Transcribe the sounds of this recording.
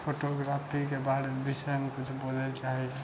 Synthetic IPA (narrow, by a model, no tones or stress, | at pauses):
pʰoʈoɡɾapʰikebaɽebisɔjmekut͡ʃʰbolɛlt͡ʃaɦi